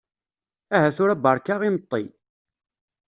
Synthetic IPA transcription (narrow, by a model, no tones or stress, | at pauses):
æɦæθʊɾæbɑɾˤkaʁimət̪ˤːi